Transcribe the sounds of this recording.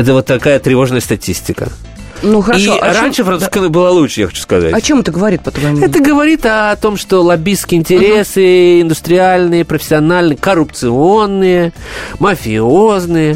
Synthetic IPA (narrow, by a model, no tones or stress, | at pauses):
ɛt̪əvot̪ːɐkajət̪ɾʲɪvo̞ʐnəjəst̪ɐtʲisʲtʲɪkə̰ | nuxəɾɐiʂoɾanʲʂɨfɾɐnuskɨnəbɨlˠalˠuʂəja̰xɐ̥t͡ɕu̥skɐza̰tɐt͡ɕemɛt̪əɡəvɐɾʲit̪̚pət̪vɐɛt̪əɡəvɐɾʲit̪ɐt̪o̞mʂt̪olˠɐbʲiskʲɪɪnʲtʲɪɾʲe̞sɨɪnd̪ʊst̪ɾʲɪalʲnɨjəpɾəfʲɪ̥sʲːɪɐnalʲnɨjəkərʊpt̪sɨo̞nːɨjə | məfʲɪoznɨjə